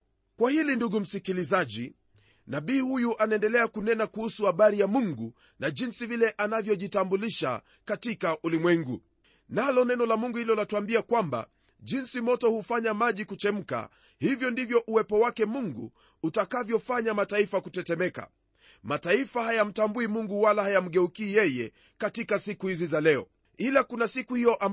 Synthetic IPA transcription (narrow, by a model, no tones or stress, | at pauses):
kwahilinduɡum̩sikilizaʄḭ | naɓiːhujuʔanaɛndɛlɛakunɛnakuhusuhaɓaɾijamuŋɡu | naʄinsivilɛʔanavjɔʄitambuliʃa̰ | katikaʔulimwɛŋɡu | nalɔnɛnɔlamuŋɡuhilɔlatuambiakwamba̰ | ʄinsimɔtɔhufaɲamaʄikut͡ʃɛm̩ka̰ | hivjɔndivjɔʔuwɛpɔwakɛmuŋɡṵː | takavjɔfaɲamataifakutɛtɛmɛka̰ | mataifahajam̩tambuimuŋɡuwalahajam̩ɠɛukiːjɛjɛ | katikasikuhizizalɛɔ̰ | ilakunasikuhijɔʔam